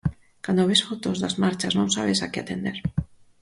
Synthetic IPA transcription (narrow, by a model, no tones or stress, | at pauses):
kand̪oβesfot̪ozðazmaɾt͡ʃaznõŋsaβ̞esakeat̪end̪eɾ